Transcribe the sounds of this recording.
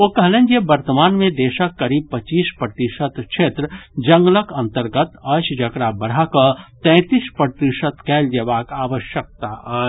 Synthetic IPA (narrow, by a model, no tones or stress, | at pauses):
okəɦlẽnd͡ʒebəɾt̪əmaːnmẽd̪eːʃəkːɐɾiːb̚pət͡ʃiːspɾət̪isət̪ʃʰeːt̪ɾəd͡ʒə̃ŋɡləkə̃nt̪əɾɡət̪ɐʃd͡ʒəkɾabəɽ̤ɦakət̪ɛ̃ːt̪ispɾət̪isət̪kɛːld͡ʒɐʋaːkaːʋəʃjək̚t̪aə